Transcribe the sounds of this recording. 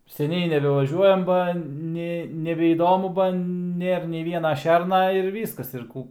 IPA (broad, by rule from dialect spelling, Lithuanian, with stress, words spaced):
sʲɛˈnʲɛɪ nʲɛbʲɛʋɐˈʒʲuɔjɛm ˈbɐ ˈnʲɛ nʲɛbʲɛiːˈdoːmʊ bɐ ˈnʲeːr nʲɛɪ ˈʋʲiɛnɐ ˈʃʲɛrnɐ ɪr ˈʋʲiːskɐs ɪr ˈkuː